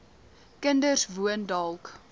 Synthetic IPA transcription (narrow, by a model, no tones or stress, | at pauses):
kəndərsvuəndɐlˠk